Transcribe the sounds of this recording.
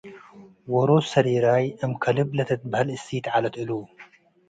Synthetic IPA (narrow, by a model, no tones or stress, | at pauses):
woɾosɐɾiɾajʔɐmkʰɐlɨblɐt̪ʰɐt̪̚bɐhɐlɨsit̪ʕalɐt̪ɨlu